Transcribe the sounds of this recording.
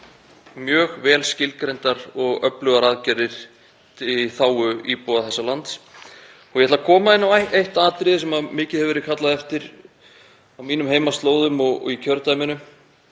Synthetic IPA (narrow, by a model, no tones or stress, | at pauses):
mjœːɣvɛːlscɪlkɾejnt̪aɾɔɣœplʏɣaɾaðcɛɾðɪɾ̥ | t̪ʰɪiθaːwʏipɔːðaθɛsːalant̪s | ɔjɛhɛt̪lakʰɔːmaðɪnːavaejht̪aːt̪ɾɪðɪsɛmamɪːcɪðhɛðvɛɾɪkʰat̪laðɛft̪ɪɾ | awmiːnʏmheːjmast̪loːwðʏmɔɣɔ̰ɣicʰœɾt̪amɪnʏm